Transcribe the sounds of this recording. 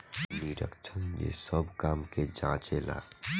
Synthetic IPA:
niːɾə̰kt͡ʃʰənjḛsəbkaːmked͡ʒãːt͡ʃela̰ː

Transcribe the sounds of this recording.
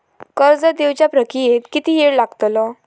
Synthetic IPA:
kəɾd͡zəd̪eʋt͡ɕjapɾəkijet̪kit̪iːjeɽlaɡt̪lɔ

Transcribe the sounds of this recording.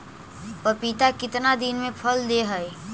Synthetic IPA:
pəɾpit̪akɪt̪nad̪ɪnmẽpʰəld̪eɦəe

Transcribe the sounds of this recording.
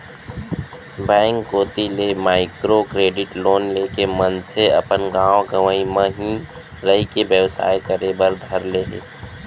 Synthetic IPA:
bɛ̃ːŋkːoːt̪ilemaːɪkɾokɾeːɖɪʈloːnleːkemə̃nseɐ̰pənɡãːʋoɡəʋaimãɦĩ | ɾəikebjəʋsa̰ːjkəɾeːbəɾd̪ʱɐɾleːɦḛː

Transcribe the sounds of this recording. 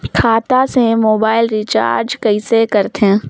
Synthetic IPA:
kʰaːt̪asemoːbaːɪlɾɪt͡ʃa̰ːɾd͡ʒkɐisekɐɾt̪ɦɛ̃ː

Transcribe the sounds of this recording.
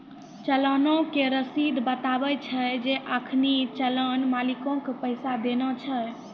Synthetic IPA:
t͡ʃəlɔnɔ̃keɾəsid̪bət̪abət͡ʃʰəd͡ʒeʔəkʰnit͡ʃələnmalikõkpəjsad̪enɔt͡ʃʰəj

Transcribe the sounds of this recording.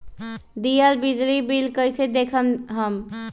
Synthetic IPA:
d̪ijəlbid͡ʒlibilkəjsed̪ekʰəmɦəm

